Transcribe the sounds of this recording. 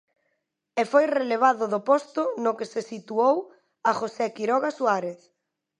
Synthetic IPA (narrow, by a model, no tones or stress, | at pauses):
efojreleβ̞aðʊðopɔst̪ʊnʊkesesit̪uow | axosɛkiɾɔɣasuaɾeθ